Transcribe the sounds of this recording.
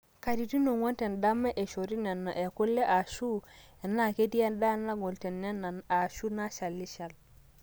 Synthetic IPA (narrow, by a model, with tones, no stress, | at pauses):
ka˨di˨ti˦no˨ŋo˦nte˨nda˦mːe˦ʔe˨ʃo˨ɾi˦ne˨nːa˨ʔe˨ku˦lːe˦ʔa˨ʃu˦ | e˨nːa˦˨ke˦ti˦e˦nda˦nːa˦ɡo˨lte˨nːe˦nːa˨na˨ʃu˦na˦ʃa˨lːi˦ʃa˨l